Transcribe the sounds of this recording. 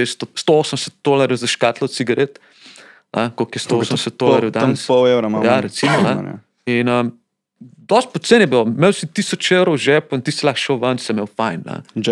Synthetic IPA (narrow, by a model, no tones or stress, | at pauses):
est̪ost̪ooːsəmsə̥t̪̚d̪olaɾjɛwzɐʃkat̪lɔt̪siɡɐɾet̪ | na̰kokɛst̪ooːsəmsət̪̚d̪olaɾjɛwd̪ansɔwewɾɐmajaɾɛt̪simɔaa̰ | inəm | d̪ɔst̪̚pɔt̪t̪senjɛbiomewsit̪iːsɔt͡ʃewɾowʒɛpoint̪issilaːxʃəwʋɐnsɛmewfajnna̰